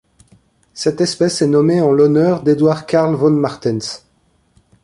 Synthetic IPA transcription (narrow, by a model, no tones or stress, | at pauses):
sɛt̪ɛspɛsɛnɔmeɑ̃lɔnœʁd̪ed̪waʁkaʁlvɔnmaʁt̪ins